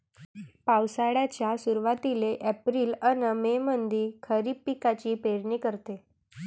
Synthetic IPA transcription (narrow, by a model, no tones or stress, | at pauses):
pawsaɽjat͡ɕjasuɾʋat̪ileʔɛpɾiːlənəmemənd̪iːkʰəɾiːpːikat͡ɕiːpeɾɳiːkəɾt̪e